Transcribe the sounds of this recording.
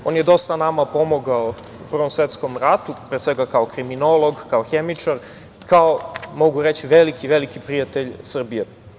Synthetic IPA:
o̞ːnjed̪o̞st̪anamapo̞moɡao | upr̩ʋo̞msʋet̪sko̞mɾat̪upɾeːsʋeɡakaokɾimino̞lˠo̞ɡkaoxemit͡ʂaɾ | kaomo̞ɡuɾet͡ɕiʋelikiʋelikipɾijat̪eʎsr̩bije

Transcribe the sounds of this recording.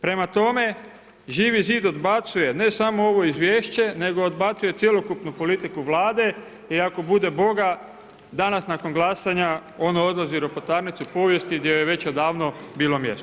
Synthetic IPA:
pɾe̞mat̪o̞me̞ | ʒiːʋiziːd̪o̞d̪bat̪suje̞ne̞samo̞oʋo̞izʋje̞ːʃt͡ɕe̞ne̞ɡo̞od̪bat̪suje̞t̪sje̞lo̞kupnupo̞lit̪ikuʋlaːd̪e̞ | iako̞bud̪e̞bo̞ɡa | d̪anasnako̞nɡlˠasaɲao̞nao̞d̪laziɾopot̪aːɾnit̪supo̞ːʋje̞st̪id̪jejeʋe̞t͡ɕod̪aːʋno̞biːlo̞mje̞st̪o

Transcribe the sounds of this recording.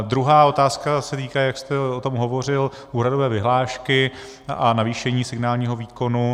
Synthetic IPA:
d̪ɾuɦaːo̞t̪aːskasɛt̪iːkaːjakst̪ɛot̪o̞mɦo̞vo̞r̝ɪl | ʔuːɦɾado̞vɛːvɪɦlaːʃkɪ | ʔanaviːʃɛɲiːsɪɡnaːlɲiːɦo̞viːko̞nu

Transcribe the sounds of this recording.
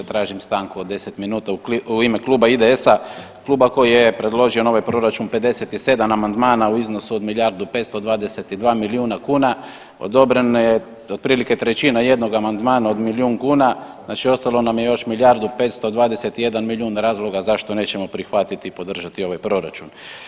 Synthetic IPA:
t̪ɾaːʒimst̪aːŋkuod̪ːe̞se̞t̪minuːt̪auimeklˠuːbaid̪eesa | klˠuːbako̞jijepɾe̞d̪lˠo̞ʒio̞no̞ʋajpɾo̞ɾat͡ʃunpe̞d̪e̞set̪ise̞d̪amamand̪maːnauizno̞suod̪miljaɾd̪upe̞t̪st̪o̞d̪ʋaːd̪e̞set̪id̪ʋaːmiliuːnakuːna | o̰d̪o̞bɾenje | od̪̚pɾiːlike̞t̪ɾet͡ɕinaje̞d̪no̞ɡamand̪maːnao̞d̪miliuːŋkuːnaznaːt͡ʃio̞st̪alo̞namjejo̞ʃmilʲjaɾd̪upe̞ːt̪st̪o̞d̪ʋaːd̪eset̪ije̞d̪anmilʲjuːnɾaːzlˠo̞ɡazaʃt̪o̞ne̞ːt͡ɕe̞mo̞pɾixʋat̪it̪ipo̞d̪r̩ʒat̪io̞ʋajpɾo̞ɾa̰t͡ʃun

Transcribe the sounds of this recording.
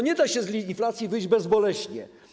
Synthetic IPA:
ɲɛd̪aɕɛzlʲiinflat̪sʲjivɘjd͡ʑbɛzbɔlɛɕɲɛ̰

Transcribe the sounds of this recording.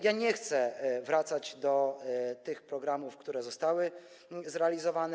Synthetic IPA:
jaɲɛxt̪sɛvɾat̪sad͡ʑd̪ɔt̪ɘxpɾɔɡɾamufkt̪uɾɛzɔst̪awɘ | zɾɛalʲizɔvanɛ

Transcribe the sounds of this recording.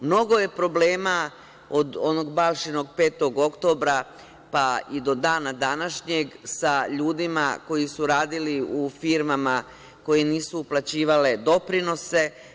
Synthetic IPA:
mno̞ɡo̞je̞pɾo̞ble̞ːma | o̞d̪o̞no̞ɡbalˠʃinoɡpe̞ːt̪o̞ɡo̞kt̪o̞bɾa | paid̪o̞d̪aːnad̪anaʃɲe̞ɡsaʎuːd̪ima̰ko̞jisuɾaːd̪iliufiɾmama | ko̞jeniːsuːplˠat͡ɕiːʋale̞d̪o̞pɾino̞se̞

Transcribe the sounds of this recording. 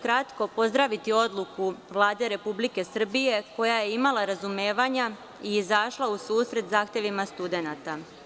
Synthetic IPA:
kɾat̪ko̞po̞zd̪ɾaʋit̪io̞d̪lˠukuʋlˠaːd̪e̞ɾe̞publike̞sr̩bije̞ko̞jaje̞imalaɾazume̞ːʋaɲa | iːzaʃlˠausuːsɾe̞t̪zaːxt̪je̞ʋimast̪ud̪e̞nat̪a

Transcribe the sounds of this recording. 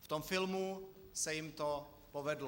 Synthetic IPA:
ft̪omfɪlmusɛjɪmt̪o | povɛdl

